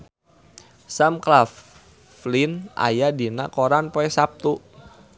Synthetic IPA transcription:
samklaf | linʔa̰jadinakoɾanpoɛsap̚t̪u

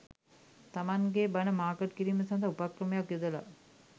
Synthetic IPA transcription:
t̪amaŋɡebanəmaːkəʈ̚kiɾiːməsand̪aupakɾəmejakjud̪əla̰

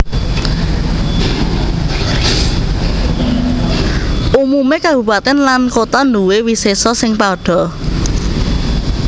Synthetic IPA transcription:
ʔumumekabṳpat̪ɪnlankot̪ɔnd̪uwewisesɔsɪŋpaɖ̥ɔ̤

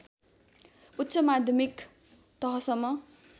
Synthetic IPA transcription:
ut̪ːsʌmad̪ʱjʌmik | t̪ʌɦʌsʌmːʌ

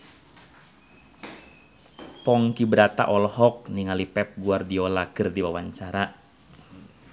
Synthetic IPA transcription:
pɔŋkibəɾat̪a̰ʔɔlhɔk̚niŋalipɛp̚ɡuardiolakɨrdiwawaɲt͡ʃaɾa

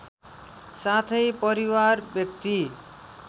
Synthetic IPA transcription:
sat̪ʰejpɔɾiwaɾbjekt̪i

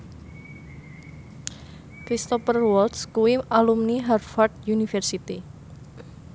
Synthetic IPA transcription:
kɾist̪ɔpərwɔlt̪skuwialumniɦarfart̪̚junifɛrsit̪i

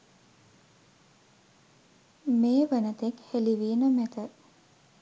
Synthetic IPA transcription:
meːʋənət̪ekheliʋiːnəmæt̪ə

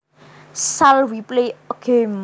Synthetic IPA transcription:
salwipleɔɡ̥ʰem

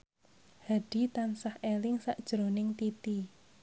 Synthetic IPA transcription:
had̥i̤t̪ansahelɪŋsaʔd̥ʒ̥ɾonɪŋt̪it̪i

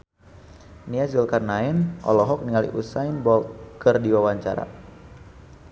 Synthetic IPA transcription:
niasulkarnaɛnɔ̰lɔɦɔk̚niŋalḭʔusajnbɔlt̪̚kɨrdiwawaɲt͡ʃa̰ɾa̰

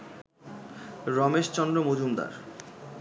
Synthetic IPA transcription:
ɾɔmeʃt͡ɕɔnd̪ɾomod͡ʑʱumd̪a̰ɾ

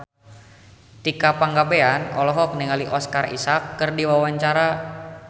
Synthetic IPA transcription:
t̪ikapaŋɡabeanɔ̰lɔɦɔk̚niŋaliʔɔskarḭsakːɨrdiwawaɲt͡ʃaɾa

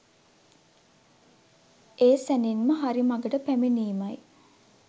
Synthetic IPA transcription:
eːsæninməɦaɾimaɡəʈəpæmeniːmaj

